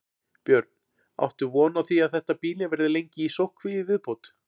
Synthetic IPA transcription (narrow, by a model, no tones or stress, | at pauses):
pjœɾt̪̚n̥ | a̰wht̪ʏvɔːnaðθiaðθɛht̪apiːlɪvɛɾðɪlejɲcɪisowhkʰvɪɪvɪðpowt̪